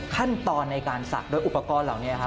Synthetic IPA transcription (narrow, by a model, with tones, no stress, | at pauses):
kʰa˥˩nt̪ɔː˧nːa˧jkaː˧nsa̰˨˩k̚doː˧jʔu˨˩pːa˧kɔː˧nlaː˨˩wni˦˥ɐɐkʰa˦˥